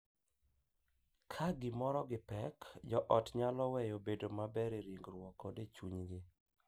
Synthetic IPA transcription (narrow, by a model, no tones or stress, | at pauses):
kʰaɡɪmɔɾɔɡɪpɛkd͡ʒɔʔɔtɲalɔwɛjobedomabɛɾeɾiŋɡɾwɔkːɔdet͡ʃuɲɡɪ